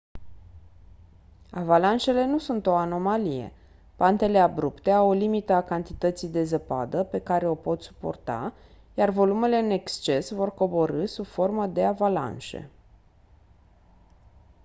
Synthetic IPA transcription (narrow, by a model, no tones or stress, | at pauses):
avalanʃe̞le̞nusunt̪o̞ano̞malije̞̰ | pant̪e̞le̞abɾupt̪e̞awolimit̪əakant̪it̪ət̪sijd̪e̞zəpa̰d̪əpe̞kaɾe̞o̞po̞t̪su̥po̞̰rt̪a̰ | jarvo̞lume̞le̞ɨne̞kst͡ʃe̞svo̞rko̞bo̞ɾɨsubfo̞rməd̪e̞avala̰nʃe̞̰